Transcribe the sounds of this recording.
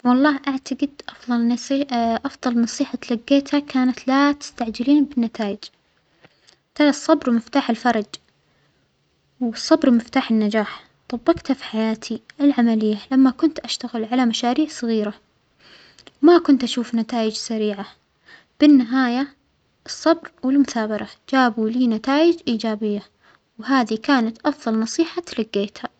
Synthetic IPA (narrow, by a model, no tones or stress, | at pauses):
wɑlˤːɑːhʔaʕt̪aɡɪd̪ʔɑfðˤɑlnʔɑfðˤɑlnɑsˤiːħalaɡːeːt̪hakaːnat̪lat̪ɪ̥st̪aʕd͡ʒɪliːnbɪnːat̪aːjɪd͡ʒ | t̪asˤːɑbɾmɪft̪aːħɪlfɑɾˤɑd͡ʒ | wɨsˤːɑbɾmɪft̪aːħɪnːad͡ʒaːħ | t̪ˤɑbːɑɡt̪hafi̥ħajaːt̪ʰiɪlʕamalɪjːalamːakʊnt̪ʔaʃt̪aɣɪlʕalamaʃaːɾiːʕsˤɨɣiːɾa | makʊnt̪ʔaʃuːfnat̪aːjɪd͡ʒsaɾiːʕa | b̥ɪnːɪɦaːja | ʔɨsˤːɑbɾwɪlmʊθaːbɑɾˤɑd͡ʒaːbuliːnat̪aːjɪd͡ʒʔiːd͡ʒaːbɪjːa | wɦaːðikaːnat̪ʔɑfðˤɑlnɑsˤiːħat̪laɡːeːt̪ha